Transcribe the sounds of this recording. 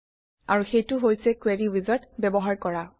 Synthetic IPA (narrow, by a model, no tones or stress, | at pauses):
aɹuxejtʊɦojsɛkweɹiwizɔtbɛbɔɦaɹkɔɹa